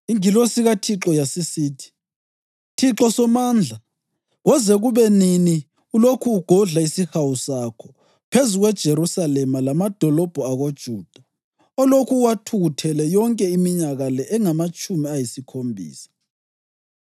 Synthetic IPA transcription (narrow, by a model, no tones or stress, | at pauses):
iŋilosiɣatʰiǁɔjasisiːtʰi̥ | tʰiǁɔsɔmaːnd͡ɮʱa | ɣɔzɛɣuβɛnini | ulokʰuːɡ̥ʱɔɮaisixawusakʰɔ | pʰezuɣwɛd̥ʒ̥ʱeɾusalɛmalamad̥ʱɔlɔb̥ʱɔaɣod̥ʒ̥ʱuːd̥ʱa | ɔlokʰuwatʰuɣutʰɛlɛjɔŋkʼɛimiɲaɣalɛʔɛŋamat͡ʃʼumiajisikʰombʱḭːsḁ